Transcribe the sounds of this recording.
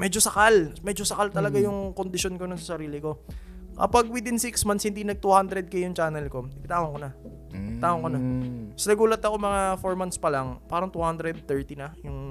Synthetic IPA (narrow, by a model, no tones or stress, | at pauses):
mɛd͡ʒosɐkalmɛd͡ʒosɐkalt̪ɐlɐɡajʊŋkond̪ɪʃonkononsɐsɐɾiːlɪko̞ | kɐ̰paɡ̚wɪd̪ɪnsɪksmanshɪnd̪inɐɡ̚t̪uhand̪ɾɛd̪̚kɐjʊŋt͡ʃaːnɛlko̞ɪpɪt̪aːhoŋkonɐ | pɪt̪aːhoŋkonasɐnɐɡuːlɐt̪ɐko̞mɐŋafoɹmanspɐlaŋpaːɾɐŋt̪uhand̪ɾɛd̪̚t̪ɛɹt̪inɐjʊŋ